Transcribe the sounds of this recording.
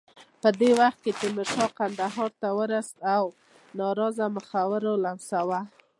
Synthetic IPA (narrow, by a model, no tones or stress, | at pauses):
pəd̪ewaxt̪̚ket͡ʃemɪʃɑqand̪aɦɑɾt̪awəɾast̪aw | nɑɾɑzaməxawəɾolansawa